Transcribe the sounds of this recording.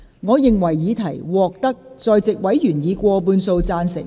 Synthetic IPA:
ŋɔː˨˧jɪ˨ŋwɐ˨˩jːiː˨˧t̪ʰɐ˨˩jwɔː˨˧k̚t̪ɐ˥k̚ | t͡sɔː˨jt͡sɪ˨k̚wɐ˨˥jjyː˨˩njiː˨˧kʷɔː˧p̬uː˧nso˧wt͡saː˧nsɪ̰˨˩ŋ

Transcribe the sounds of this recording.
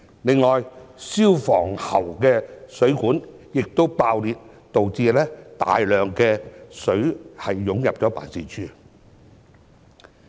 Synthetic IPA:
lɪ˨ŋːɔː˨˩jsiː˥wfɔː˨˩ŋhɐ˨˩wkɛː˧sɵ˨˥kuː˨˥njɪ˨k̚t̪o˥wpaː˧wliː˨t̚ | t̪o˨wt͡siː˧lɛː˥t̪a̰ː˨jlœː˨ŋkɛː˧sɵ˨˥ɥhɐ˨jːʊ˨˥ŋjɐ˨p̚t͡ʃɔː˨˥pa̰ː˨˩nsiː˨˩t͡ʃʰyː˥

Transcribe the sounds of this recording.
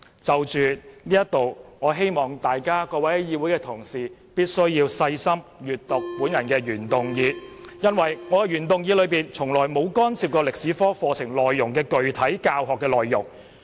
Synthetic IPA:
t͡sɐ˨wt͡ʃyː˨nliː˥jɐ˥t̚t̪o˨wŋɔː˨˧ɦe˥jmɔː˨ŋt̪aː˨jkaː˥kɔː˧wɐ˨˥jjiː˧wuː˨˥jkɛː˧t̪ʰʊ˨˩ŋsiː˨piː˥t̚sɵ˥ɥjiː˧wsɐ˧jsɐ˥mjyː˨˩t̚t̪ʊ˨k̚puː˨˥njɐ˨˩nkɛː˧ɥyː˨˩nt̪ʊ˨˩ŋjiː˨˧jɐ˥nwɐ˨jŋɔː˨˧kɛ˧ɥyː˨˩nt̪ʊ˨ŋjiː˨˧lɵ˨˧ɥpiː˨nt͡sʰʊ˨˩ŋlɔː˨˩jmo˨˧wkɔː˥nsiː˨˧p̚kɔː˧lɪ˨k̚siː˨˥fɔː˥fɔː˧t͡sʰɪ˨˩ŋlɔː˨jːʊ˨˩ŋkɛː˧kɵ˨ɥt̪ʰɐ˨˥jkaː˧wɦɔː˨kːɛː˧lɔː˨jːʊ̰˨˩ŋ

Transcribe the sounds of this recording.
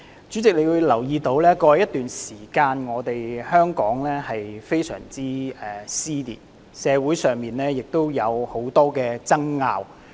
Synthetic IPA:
t͡ʃyː˨˥t͡sɪ˨k̚le˨˧jwu˨˧jlɐ˨˩wjiː˧t̪o˨˥wlɛː˥kɔː˧˨˧jɐ˥t̪ːyː˨nsiː˨˩kaː˧nŋɔː˨˧t̪e˨jhœː˥ŋkɔ̰ː˨˥ŋlɛː˥hɐ˨jfe˥jsœ̰ː˨˩ŋt͡siː˥ɛ˨siː˥t̪ḭː˨˩t | sɛː˨˧wuː˨˥jsœː˨ŋmiː˨nlɛː˥jɪ˨k̚t̪o˥wjɐ˨˧who˨˥wt̪ɔː˥kɛː˧t͡sɐ˥ŋːa̰ː˨˧w

